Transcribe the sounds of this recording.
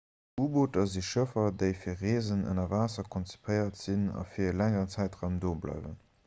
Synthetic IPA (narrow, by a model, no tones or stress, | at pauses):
uːboːtɐziʃəfɐdəɪfiːɐʁeːzənə̰nɐvaːsɐkʰɔnt͡si̥pʰəɪɐtz̥inɑ̰fiːɐəlæŋəʁənt͡sæɪtʁaʊmdoːblɑ̰ɪvə̰n